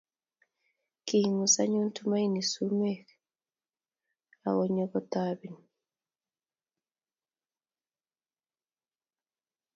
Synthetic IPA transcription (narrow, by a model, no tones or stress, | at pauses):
kihiŋusaɲuntumajnisumɛk | a̰wɔɲɔkɔtabin